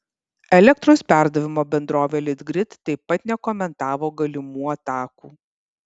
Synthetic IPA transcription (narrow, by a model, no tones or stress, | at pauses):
ɛlʲɛk̚t̪ɾoːspʲæˑɾd̪ɐʋʲɪmoːbʲɛnd̪ɾoːʋʲeːlʲɪd̪ɡɾʲɪt̪ːɐɪpːɐt̪nʲɛkɔmʲɛnt̪ɑːʋoːɡɐlʲɪmuːɐt̪ɑːkuː